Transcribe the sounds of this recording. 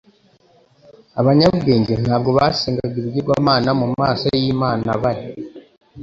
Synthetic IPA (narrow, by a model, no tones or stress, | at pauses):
aβaɲaβuɡe̞ːɲɟen̥haːb̚ɡo̞βasiːŋɡaɡiɾuɟiɡwaːmaːnamumaːsajiːmaːna̰βaɾi